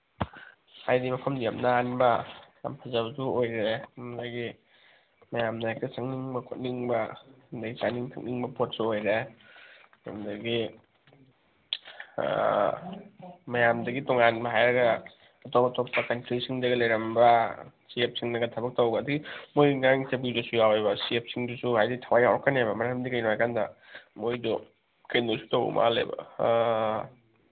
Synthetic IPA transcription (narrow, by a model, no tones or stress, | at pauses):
ajdimɐpʰɐmdijamnaanbɐja̰mpʰɐzabzuojɾemdaɡi | mɐjamnɐjak̚tasaŋniŋbɐkʰot̚niŋbɐndaɡit͡ʃaniŋtʰaŋ̚niŋbɐpot̚suojɾe | a̰mdɐɡi | mɐjamdɐɡitɔŋanbɐɦajɾɐɡɐː | tobɐtʰok̚pɐkɐntɾisiŋdɐɡɐlɐjɾɐmbɐsiep̚siŋnɐɡɐtʰɐbɐk̚tɐwɡɐdɐɡimojŋaŋsɐbidusujawebɐsiep̚siŋdusuhajditʰawajawɾɐkːɐnebɐmɐɾɐmdikɐjnoajkandɐ | mojdɔ | kɐndosu̥towṵma̰lḛbɐ̰